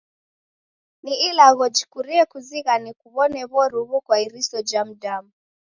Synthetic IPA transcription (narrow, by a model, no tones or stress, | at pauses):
niilaɣɔd͡ʒikuɾiɛkuziɣanikuβɔnɛβɔɾuβukwaiɾisɔd͡ʒam̩damu